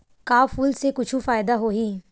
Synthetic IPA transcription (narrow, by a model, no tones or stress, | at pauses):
kaːfuːlsekʊt͡ʃʰufaːjd̪aɦoːɦi